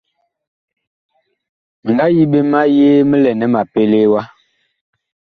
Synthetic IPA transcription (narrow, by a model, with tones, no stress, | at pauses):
ŋ̩˨ɡa˦ji˦ɓe˦ma˦jeː˦mə˦lɛ˨nɛ˦ma˨pe˦le˦wa˦